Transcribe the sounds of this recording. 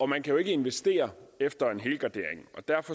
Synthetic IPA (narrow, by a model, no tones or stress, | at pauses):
ɒ̽mænkʰæjo̝e̝ɡ̥əe̝nʋesd̥e̝̰ːɐefd̥ɐe̝nɦe̝ːlɡ̥ɑd̥e̝ɐ̰eŋ̩ɒ̽d̥æɐ̰fɒ̽